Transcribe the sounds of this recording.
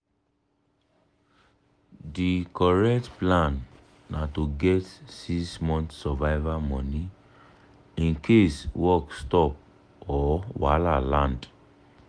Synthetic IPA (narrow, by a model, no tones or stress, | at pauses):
dikɔɹɛktplãnː | atoɡɛtsismɔ̃ntsɔvaɪvamɔ̃ni | ĩnkʰeswɔkstɔp̚ | ɔwalalãnd